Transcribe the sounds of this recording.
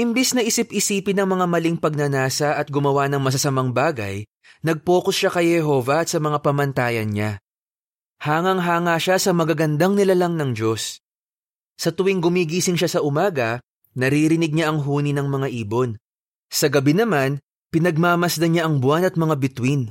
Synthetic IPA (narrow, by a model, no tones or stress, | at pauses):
ʔɪmbɛsnɐʔɪsɪp̚ʔɪsiːpɪnɐŋmɐŋamɐliŋpɐɡ̚nɐnaːsɐʔɐt̪̚ɡʊmɐwanɐŋmɐs̬ɐsɐmaŋbaːɡɐ̰j | nɐɡ̚po̞ːkosʃakɐjhɛɦo̞ːvɐɐt̪sɐmɐŋapɐmɐnt̪aːjɐnɲa | haːŋɐŋɦaːŋaʃasɐmɐɡaɡɐnd̪aŋnɪlɐlaŋnɐŋd͡ʒo̞s | ɐt̪ʊwiŋɡʊmiɡiːsɪŋʃasɐʔʊmaːɡɐ | nɐɾiːɾɪnɪɡ̚ɲaʔɐŋɦuːninɐŋmɐŋaʔiːbo̞n | sɐɡɐbɪnɐman | pɪnɐɡ̚maːmɐsd̪ɐɲaʔɐŋbʊwanɐt̪̚mɐŋabɪt̪win